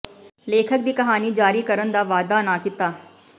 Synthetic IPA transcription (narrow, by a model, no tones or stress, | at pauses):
leːkʰək̚d̪iːkɐɦaːnid͡ʒaːɾikɐɾə̃nd̪aʋaːd̪aːnaːkɪt̪aː